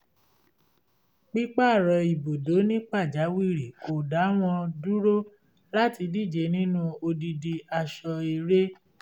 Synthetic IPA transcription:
k͡pi˦k͡pa˦˨ɾɔ˧i˨bo˨do˨˦nĩ˦k͡pa˦˨d͡ʒa˨˦wi˦˨ɾi˨ko˨da˨˦w̃ɔ̃˧du˦ɾo˦ | la˦ti˧di˦˨d͡ʒe˨˦nĩ˦nũ˦o˧di˧di˧a˧ʃɔ˧e˧˨ɾe˦

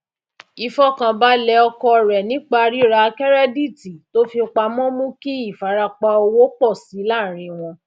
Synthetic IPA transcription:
i˧fɔ˦kã˧ba˦lɛ˧ɔ˧kɔ˧˨ɾɛ˨nĩ˨˦k͡pa˧ɾi˦ɾa˧kɛ˦ɾɛ˦di˦˨ti˨to˦fi˧o˧k͡pa˧mɔ̃˦mũ˦ki˦i˦˨fa˨˦ɾa˧k͡pa˧o˧wo˦k͡pɔ˦˨si˨˦la˦˨ɾ̃ĩ˨˧w̃ɔ̃˧

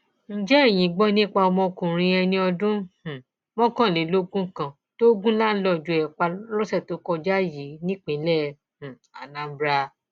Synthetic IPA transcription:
n̩˨d͡ʒɛ˦e˦˨j̃ĩ˨˦ɡ͡bɔ˦nĩ˦k͡pa˧mɔ̃˧kũ˨ɾ̃ĩ˧ɛ˧nĩ˧ɔ˧dũ˦h̩˨ | mɔ̃˦kã˦˨nĩ˨˦lo˦ɡũ˦kã˦˨ | to˦ɡũ˦la˦lɔ˧˨d͡ʒu˨˧˨ɛ˨k͡pa˧ɾɔ˦sɛ˦˨to˨˦kɔ˧d͡ʒa˦ji˨˦nĩ˦k͡pĩ˨˦lɛ˦˨ | h̩˨ | a̰˨nã˨˦bɾa˧

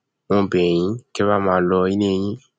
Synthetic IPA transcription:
wɔ̃˦˨bɛ˨j̃ĩ˨˦kɛ˦βa˦˨mãː˨˦lɔ˧i˦nĩ˦e˧j̃ĩ˦

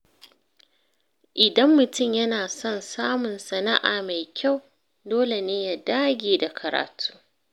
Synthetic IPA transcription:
ʔɪ˨dɐ˦mːʊ˨tʊ˦˨mjɐ˦naː˨sɔ˦nsaː˦mʊ˨nsɐ˨na˦ʔaː˨ma˨jkʲa˦˨w | doː˦le˨neː˦ja˨daː˦ɡʲeː˨da˨kʰɐ˨ɾa̰ː˨tʰu̥ː˦

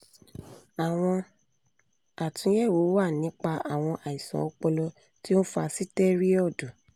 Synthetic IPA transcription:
a˨w̃ɔ̃˧ | a˨tũ˨˦jɛ˦˨wo˨˦wa˦˨nĩ˨˦k͡pa˧ʔa˨w̃ɔ̃˧ʔa˨i˨sɔ̰̃˨ɔ˧k͡pɔ˧lɔ˧ | ti˦o˦fa˧si˦tɛ˦ɾi˦ɔ˦˨do˨

